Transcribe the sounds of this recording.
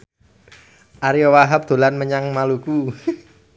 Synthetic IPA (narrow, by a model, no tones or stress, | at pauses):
ʔaɾiɔwaɦap̚d̪̥o̤lanməɲaŋmaluku